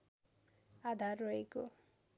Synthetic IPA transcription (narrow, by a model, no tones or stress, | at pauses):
ad̪ʱarːʌeko